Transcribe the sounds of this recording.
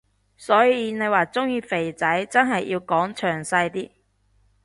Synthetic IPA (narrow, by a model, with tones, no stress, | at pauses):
sɔː˨˥jiː˨˧ne˨˧jwaː˨t͡sʊ˥ŋjiː˧fe˨˩jt͡sɐ˨˥jt͡sɐ˥nɦɐ˨jːi˧wkɔː˨˥ŋt͡ʃʰœː˨˩ŋsɐ˧jt̪iː˥